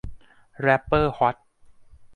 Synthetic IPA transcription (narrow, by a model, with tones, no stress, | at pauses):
ɾɛ˦˥pːɤː˥˩hɔ˨˦˥t̪̚